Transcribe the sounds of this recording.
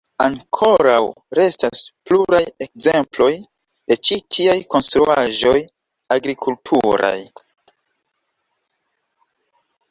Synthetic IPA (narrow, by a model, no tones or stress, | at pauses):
aŋkʰo̞ɾaw | ɾe̞staspluɾaje̞k̚ze̞mplo̞j | d̥e̞t͡ʃitʰiajko̞nstɾuaʒo̞j | aɡɾikʰultʰuɾa̰j